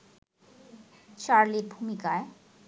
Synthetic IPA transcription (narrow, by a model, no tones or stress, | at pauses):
ʃaɾliɾbʱumikae